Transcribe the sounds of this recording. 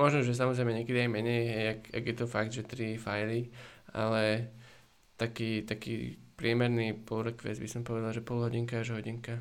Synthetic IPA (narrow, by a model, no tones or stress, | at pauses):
mɔʒnɔʒɛs̬amɔzɾɛjmɛɲɛkɛd̪iajmɛɲɛjɦɛjaka̰ɡjɛt̪ɔfaɡ̚d̪ʒɛt̪ɾifajlia̰lɛ | t̪akiːt̪akḭːpɾɪɛmɛɾnipɔɾɔkʋɛ̰d͡zbisɔmpɔʋɛd̪alʒɛpɔlɦɔɟiŋkaaʒɦɔɟiŋka